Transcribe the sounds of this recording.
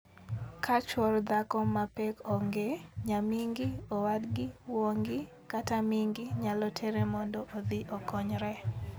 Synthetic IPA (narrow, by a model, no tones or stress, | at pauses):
kʰat͡ʃɔrd̪akɔmapɛkɔŋɡeɲamiŋɡɪɔwadɡɪwoŋɡɪ | katamiŋɡɪɲalɔtʰeɾemɔndɔʔod̪iʔokɔɲɾɛ